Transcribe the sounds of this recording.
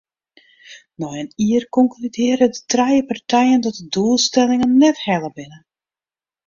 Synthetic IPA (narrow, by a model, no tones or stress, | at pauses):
nɔjəniərkɔŋklydɪːɾədətrɛjəpartɛjəndɔt̚dədulˠstɛlɪŋənːɛthɛlˠəbɪnə